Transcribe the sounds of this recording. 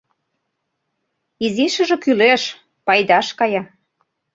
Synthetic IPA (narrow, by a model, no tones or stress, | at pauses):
iziʃə̆ʒĕkyleʃ | pɑjd̪ɑʃkɑjɑ